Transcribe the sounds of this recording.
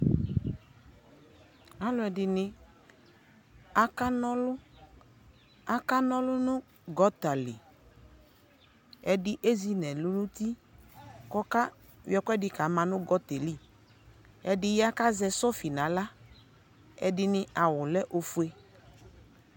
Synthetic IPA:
a˦lʊ˨˦ɛ˨dɪ˨nɪ˦ | a˦ka˦nɔ˦lʊ˦ | a˦ka˦nɔ˦lʊ˦nʊ̃˦ | ɡɔ˦t̪a˨lɪ̰˨ | ɛ˨dɪ˦ʔe˦zi˦nɛ̃˨lʊ˦nʊ̃˦t̪i˦ | kɔ˦ka˦ | wjɛ˦kɛ˦dɪ˨ka˨˦mã˨nʊ̃˦ɡɔ˦t̪e˨li˦˨ | ɛ˨dɪ˨ja˦ka˦zɛ˨sɔ˦fi˨nã˨˦la˦ | ɛ̰˨dɪ˨nɪ̃˦a˨wʊ˨lɛ˦ʔo˨fu˦e˦

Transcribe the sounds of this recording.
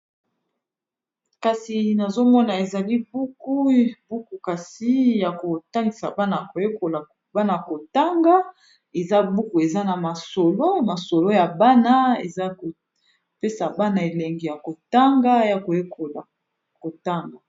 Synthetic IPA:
ka˨si˨na˨zo˦mɔ˦na˨e˨za˨li˦bu˦ku˦bu˦ku˨ka˨si˦ja˨ko˨ta˦ŋɡi˨sa˨ba˦na˨ko˨je˦ko˨la˨ | ba˦na˨ko˨ta˦ŋɡa˦ | e˨za˦bu˦ku˨e˨za˦na˨ma˨so˨lo˦ma˨so˨lo˦ja˨ba˦na˦ḛ˨za˦o˨ | pe˦sa˨ba˦na˨e˨lɛ˨ŋɡi˨ja˨ko˨ta˦ŋɡa˦ja˨ko˨je˦ko˨la˨ | ko˨ta˦ŋɡa˨

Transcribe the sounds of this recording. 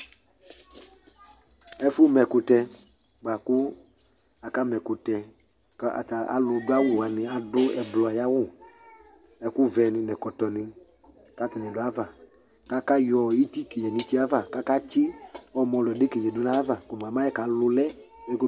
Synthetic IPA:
ɛ˦fʊ˦mɛ˨kʊ˧tɛ˧ | ɡ͡ba˨kʊ˦ | a˨ka˦mɛ˨kʊ˨tɛ˧ | ka̰˨ta˨a̰˨lʊ˧dʊ˦a˦wʊ˨a˨nɪ̃˧a˨dʊ˦ɛ˨blɔ˨ja˦wʊ˦˨ | ɛ˨kʊ˦vɛ˧nɪ̃˧nɛ̃˨kɔ˨tɔ˨nɪ˧ | ka˦tɪ˨nɪ̃˨dʊ˨˦a˦va˨ | ka˦ka˦jɔ˨ji˦ti˦ke˨ɛ˨nɪ̃˧ti˦a˦va˨ka˦ka˦t͡ʃɪ˦ɔ˨mɔ̃˨˧lʊ˨ɛ˨dɪ˦ke˨d͡ʒɛ˨dʊ˦nã˦a˦va˨ko˨m˨a˨ma˦jɛ˦ka˨˦lʊ˧lɛ˦ | ɛ˦kʊ˦

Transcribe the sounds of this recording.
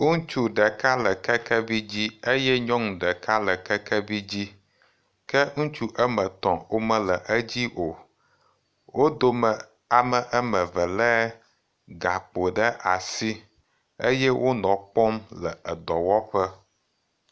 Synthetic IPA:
ŋu˦t͡ʃu˨ɖə˨ka˦lə˨kɛ˦kɛ˦vi˦d͡ʑi˦e˦jɛ˦ɲɔ̃˦ŋũ˨ɖə˨ka˦lə˨kɛ˦kʰɛ˦vi˦d͡ʑi˦ | kɛ˦ŋũ˦t͡ʃu˦ʔə˦mə̃˨t̪ɔ̃˨wo˦mə̃˦lə˨ʔə˦d͡ʑi˦ʔo˨ | wo˦d̪o˦mə˨ | a˨mə˨ʔə˦mə̃˨və˨lɛ˦ | ɡa˨k͡po˨ɖə˦ʔa˨si˦ | e˦jɛ˦wo˦nɔ̃˨k͡pɔ˦mlə˨ə˨d̪ɔ˨wɔ˦ɸə˦

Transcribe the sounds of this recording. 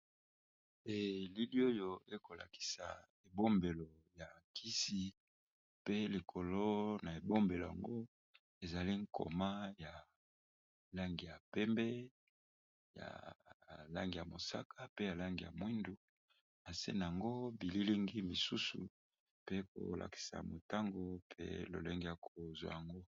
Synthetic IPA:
e˨li˦li˦o˦jo˦e˦ko˨la̰˨ki̥˨sa̰˨ | e˨bo˦mbe˨lo˨ | ja˨kʰi˦si˨ | pe˦li˨kʰo˨lo˦na˨e˨bo˦mbe˨lo˨a̰˨ŋɡo˦ | e˨za˨li˦ŋ̩˦kʰo̰˨ma˦ja˨ | la˦ŋɡi˨ja˨pɛ˦mbɛ˦ | ja̰˨ | la̰˦ŋɡi˨ja˨mo˨sa̰˦kʰa˨pe˦ja˨la˦ŋɡi˨ja̰˨mwi˦ndu˨ | na˨sḛ˦na˨ja˨ŋɡo˦bi˨li˦li˦ŋɡi˦mi˨su˦sṵ˨ | pe˦ko̰˨la̰˨ki̥˨sa̰˨mo˨ta˦ŋɡo˨pʰḛ˦lo̰˨le˦ŋɡe˦ja˨kʰo˨zwa̰˨ja˨ŋɡo˦

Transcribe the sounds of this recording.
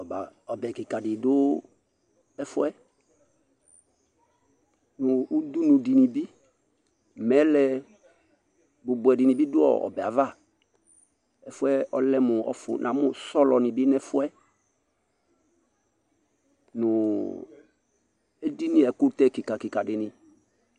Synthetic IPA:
ɔ˨ba˨ɔ˨bɛ˨kɪ˨ka˨dɪ˨dʊ˦ | ɛ˦fʊ˦ɛ˦ | nʊ˨u˦d̪u˦nʊ˨di˨ni˨bi˦ | mɛ˨˦lɛ˨ | bʊ˨bʊ˨ɛ˨dɪ˨nɪ̃˨bi˦dʊ˦ɔ̰˨ɔ̰˨bɛ˨a̰˨va˦˨ | ɛ˦fʊ˦ɛ˦ɔ˦lɛ˦mʊ˨ɔ̰˦fʊ̰˨nʔã̰˨˦mʊ˦sɔ˦lɔ˨nɪ̃˨bi˦nɛ˦fʊ˦ɛ˦ | nʊ˨ | e˦di˦nɪ̃˦ɛ˨kʊ˦ɾt̪ɛ˦˨kɪ˨ka˨kɪ˨ka˨dɪ˨nɪ̃˨

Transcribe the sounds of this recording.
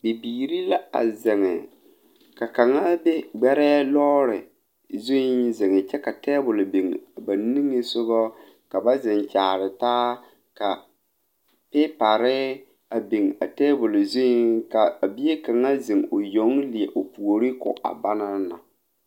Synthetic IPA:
bi˨biː˨ɾi˦la˦a̰˨zɪ˨ŋɪ˨ | ka˨ka˨ŋa˦be˦ɡ͡bɛ˦ɾɛ˦lɔː˦ɾɪ˨ | zo˦i˦nzɪ˨ŋɪ˨t͡ʃɛ˦ka˨tɛː˦bʊ˨lbi˨ŋ˨ba˨ni˦ŋɪ˦sʊ˦bɔ˦ | ka˨ba˦zɪ˨n˨t͡ʃaː˨ɾɪ˨taː˦ | ka˨ | pɪ˦pa˨ɾɪ˦ | a˨bi˨ŋ˨a̰˨tɛː˦bʊ˨lzo˦i˦ŋka˨a˨bi˦e˦ka˨ŋa˦zɪ˨ŋ˨o˨jo˨˦ŋli˨e˨ʔo˨pu˨o˨ɾi˦kʊ̰˨ʔa̰˨ba˦na˦na̰˨

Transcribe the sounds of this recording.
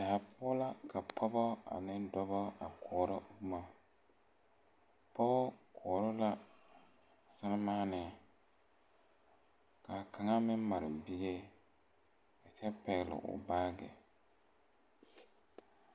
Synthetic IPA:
a˨a˨pʰʊ˦la˦ka˨pʰɔ˦bɔ˦a̰˨nɪ˦n˦dɔ˦bɔ˦a˨kʰɔː˨ɾɔ˦bu˦ma˦ | pɔ˦kʰɔː˨ɾʊ˦la˦ | sa˦nɪ˦maː˦nɪ˨ | ka˨kʰa˨ŋa˦mɪ˦ma˨ɾɪ˨bi˦ɡe˦ | ka˨t͡ʃɛ˦pɛ˨ɣlɪ̰˨ʔʊ̰˨baː˦ɡɛ̰˨

